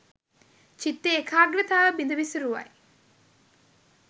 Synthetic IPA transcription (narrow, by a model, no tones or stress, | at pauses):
t͡ʃit̪ːeːkʰaːɡɾət̪aːʋəbind̪əʋisəɾuʋa̰j